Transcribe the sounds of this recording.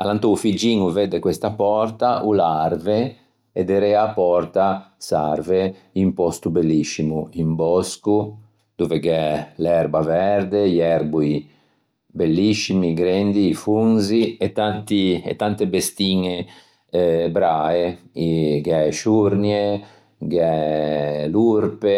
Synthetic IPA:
alant̪oufid͡ʒiːŋuvɛd̪ekwest̪apɔrt̪aʔularve | ed̪eɾɛapɔrt̪asa̰rve | impɔst̪ubelːisːimuimbɔsku | d̪̥ovekɛlɛɾbavɛɾd̪eʎɛɾbui | belːisimiɡɾɛnd̪iːfunziet̪ːant̪ḭːt̪ːant̪ebest̪iːŋe | bɾaeiɡɛʃuɾnje | ɡɛ | luɾpe

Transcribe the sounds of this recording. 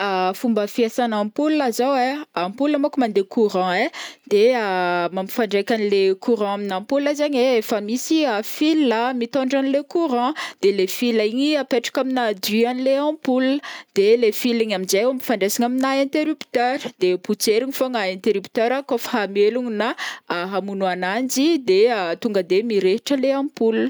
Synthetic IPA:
afumbəfiasanampulazaweampuləmokumand̪ekʰuɾɑ̃ed̪̥eamami̥faɳɖ͡ʐekʲanilekuɾɑ̃aminampulazaɲeefəmisiafilamit̪ɔ̃ɳɖ͡ʐanilekuɾɑ̃d̪̥elefilaiɲiapeʈ͡ʂḁkaminad̪yanileãpuləd̪̥elefiliɲaminzejamifaɳɖ͡ʐesiŋaminaɛ̃nt̪eɾypt̪øɾd̪̥eput͡seɾiɲifoŋaɛ̃nt̪eɾypt̪øɾakofaɦameluŋinaaɦamunuanand͡ʒid̪eət̪uŋɡəd̪emiɾeɦʈ͡ʂəleãpul

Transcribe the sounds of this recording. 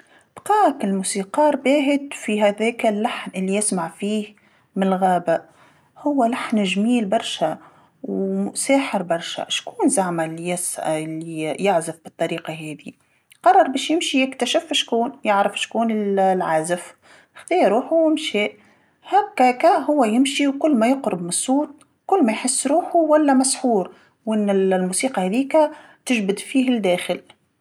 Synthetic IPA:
b̥qɑːkɪlmuːsiːqɑːɾbæːɦɪd̪fiɦæðɛːkalːaħnʔɪlːijɪsmaʕfiːh | mɪnɪlɣaːba | hʊwːalaħnʒmiːlbɑɾˤʃa | wsaːħɪɾbɑɾˤʃa̰ʃkuːnzaʕmalːijɪslijɪʕzɪfb̥ɨt̪ˤːɑɾiːqɑɦɛːði | qɑrˤːɑɾˤbɛːʃjɪmʃijɪkt̪æʃɪfʃkuːnjɪʕɾɪfʃkuːnɪlʕaːzɪf | xt̪ˤiːɾuːħuɪmʃɛːʔ | hækːækæɦʊwːæjɪmʃiwkʊlːmæjʊqɾɪbmɪnsˤːuːt̪̚ˤ | kʊlːmæjħɪsːɾuːħuwælːæmæsħuːɾ | wʔɪnːɪlmusiːqɑhæðiːkæ | t̪ɪʒbɪd̪fiːɦɪld̪ɛːxɪl

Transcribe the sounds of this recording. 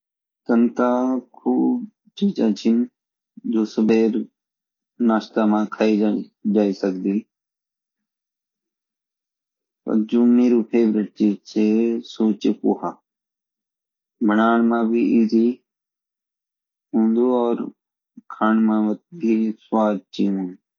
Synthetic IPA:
t̪ənt̪akʰuːb | t͡ʃiːt͡ʃat͡ʃʰɪn | d͡ʒoːsəbeːɾ | naːst̪aːmãːkʰaːid͡ʒaːisəkd̪iː | pə̰ɾd͡ʒoːmeːɾuːpʰeːʋɾɪʈ̚t͡ʃiːd͡ʒsesoːt͡ʃekuːɦaː | bʱənaːɳmãːbʱiʔiːzi | ɦũːnd̪uːɔːɾ | kʰaːɳmãːʋət̪̚biswaːd̪̚t͡ʃiũːn

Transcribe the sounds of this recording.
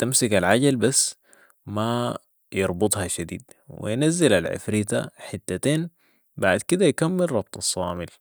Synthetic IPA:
t̪amsɪkalʕaɟalbasː | ma | jɑɾˤbʊt̪ˤhɑʃad̪ḭːd̪ | wḭjnazːilalʕɪ̰fɾiːt̪a̰ħɪt̪ːat̪eːn | baʕd̪kid̪ajkamːɪlɾˤɑb̥̚t̪ˤɑsˤːɑːmɪl

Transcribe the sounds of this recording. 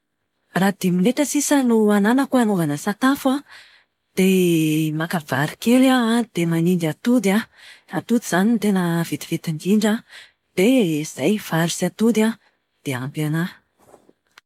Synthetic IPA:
rad̪imineʈ͡ʂəsisənuananəkuanuvanəsat̪afa | d̪̥emakavaɾikelad̪̥emaniɳɖ͡ʐat̪ud̪aat̪ud̪iz̥anint̪enəvit̪i̥v̥it̪iɳɡiɳɖ͡ʐa | d̪̥ez̥ajv̥aɾisiat̪ud̪a | d̪̥eampiana

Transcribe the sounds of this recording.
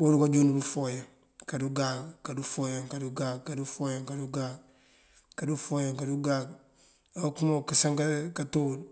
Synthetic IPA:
bodukad͡ʒonubufojaŋ | kaduɡakkːadufoːjaŋkaduɡakkːadufoːjaŋkaduɡaɡ | kadufoːjaŋkaduɡaɡ̚ | awokumokasaŋkakatod

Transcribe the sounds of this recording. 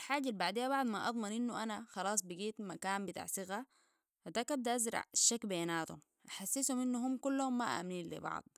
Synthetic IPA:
alħaːɟːalbaʕd̪iːjːabɑʕd̪ˤmaʔɑ̰d̪ˤmɑnʔinːuʔanaxɑlɑːsˤbiɡiːt̪makaːmbit̪a̰ːʕsɨɣa | had̪aːkʔab̚d̪aʔazɾˤɑ̰ʕʃːakbeːnaːt̪ṵm | ʔaħasːisuminːuɦumːkulːahumːaʔa̰ːmniːnlḭbɑ̰ʕd̪̥ˤ

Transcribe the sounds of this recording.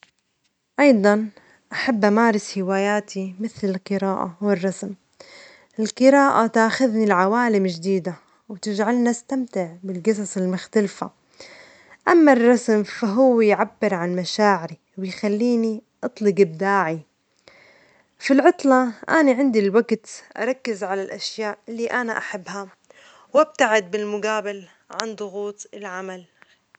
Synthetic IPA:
ʔɑjd̪ˤɑn | ʔaħabːʔamaːɾɪshɪwaːjaːt̪ʰimɪθlɪlqɨɾaːʔa̰wɪrˤːɑsm | ʔɪlqɨɾaːʔat̪aːxʊðnilʕawaːlɪmʒd̪iːd̪a | wt̪ɪd͡ʒʕalnast̪amt̪ɪʕbɪlɡɨsˤɑsˤɪlmʊxt̪alfa̰ | ʔamːarˤːɑsmfaɦʊwːjʕabːɪɾʕanmaʃaːʕɪɾi | wɪjxalːiːniʔɑt̪ˤlɪɡɪb̚d̪aːʕi | filʕʊt̪ˤlɑʔaniʕɪnd̪ilwaɡt̪ʔa̰ɾˤɑkːɪzʕalalʔaʃjaːʔɪlːiʔanaʔaħabːha | wʔab̚t̪aʕɪd̪̚bɪlmʊɡaːbɪl | ʕand̪ˤʊɣuːt̪ˤɪlʕamal

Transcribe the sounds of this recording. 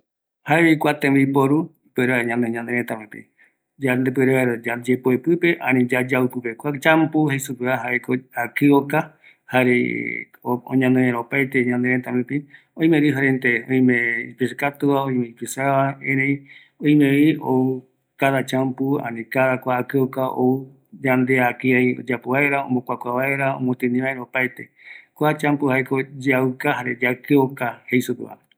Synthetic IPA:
haeikʷat̪ẽmbipoɾuipeɾeɲãnd̪eɲãnd̪eɾẽt̪amẽpḭ | d͡ʒand̪epeɾeaɾd͡ʒad͡ʒepoepɨpeʔãnĩd͡ʒad͡ʒaupɨpekʷat͡ʃãmpuhesupɨaɦaekoakɨoka | haɾḛ | oõ̰ɲãnd̪eɾẽɾaopajt̪eɲãnd̪eɾet̪amẽpi | õĩmẽɾɨɦaɾent̪eõĩmẽipisɨkat̪uaoĩmẽipisaβaẽɾẽĩ | õĩmẽiou | kaðat͡ʃãmpuã̰nĩkaðakʷaːkɨokao̰u | d͡ʒãnd̪eakɨajo̰d͡ʒapoβaeɾaõ̰mbokʷakʷaβae̞ɾaõ̰mõt̪ɨ̃nĩβaeɾaopajt̪e̞̰kʷat͡ʃãmpuhaekod͡ʒaukahaɾed͡ʒakɨokahejsupɨ̰a̰

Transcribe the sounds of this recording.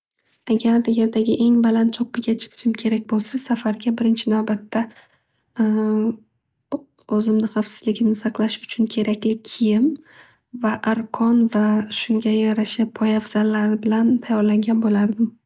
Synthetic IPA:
aɡʲaɾd̪ajeɾd̪aɡʲɪʔe̞ŋbalant̪t͡ʃʰɒqːɨɡʲat͡ʃʰɪ̥qʰɪ̥ʃɪmkʲʰe̞ɾakʲbolˠsasafaɾɡʲabɪɾɪnt͡ʃʰɪnawbat̪ʰːa | ɵzɪmnɪχɑfsɪ̥z̥lɪkʲʰɪmnɪsɑqlˠaʃʊ̥t͡ʃʰʊnkʲʰe̞ɾakʲlɪkʲʰɪjɪm | vaʔaɾqʰɒnvaʃʊŋɡʲajaɾaʃapʰɒjavz̥alːaɾɪbɪlant̪ʰajɒɾlaŋɡʲanbolaɾd̪ɪm

